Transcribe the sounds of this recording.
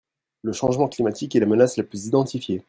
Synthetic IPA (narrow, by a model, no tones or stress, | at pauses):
ləʃɑ̃ʒmɑ̃klimat̪ikɛlamənaslaplyzid̪ɑ̃t̪ifje